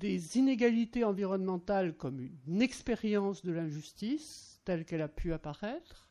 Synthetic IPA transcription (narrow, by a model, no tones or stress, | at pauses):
d̪ezineɡalit̪eɑ̃viʁɔnmɑ̃t̪alkɔmynɛkspeʁjɑ̃sd̪əlɛ̃ʒyst̪ist̪ɛlkɛlapʰyapaʁɛt̪χ